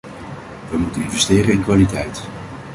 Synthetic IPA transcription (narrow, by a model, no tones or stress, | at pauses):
ʋəmutənɪnvɛstɪːrənɪnkʋaːlitɛjt